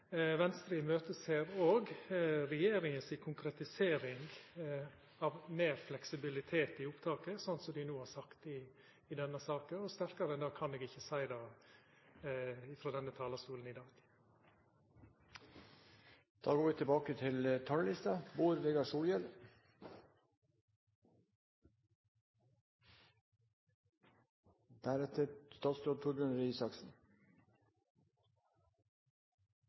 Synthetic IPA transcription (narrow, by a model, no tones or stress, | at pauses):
ʋɛnst̪ɾiəmøːt̪əsheːɾoːɡɾɛjeːɾɪŋənsɪkʰʊŋkɾɛt̪ɪseːɾɪŋɡ | ɑʋmeːɾflɛksɪbɪlɪt̪ʰeːt̪ɪʊpt̪ʰɑːkəsɔnt̪sɔmd̪ɪnuːhɑɾsɑkt̪ɪː | d̪ɛnːəsɑːkəɔst̪æɾkɑɾəɛnd̪ɑːkʰɑneːɡɪçːəsæɪd̪ɑː | ɪfɾoːd̪ɛnːət̪ʰɑːlɑst̪uːlən̩ɪd̪ɑːɡ | d̪̥ɑ̰ːɡoːɾʋiːt̪ʰɛbɑːkət̪ʰɪlt̪ʰɑləlɪst̪ɑboːɾʋeːɡɑʂuːljɛl | d̪̥æɾɛt̪ʰəɾst̪ɑːt̪sd̪oːd̪t̪ʰʊɾbʉnəɾiːsɑksn̩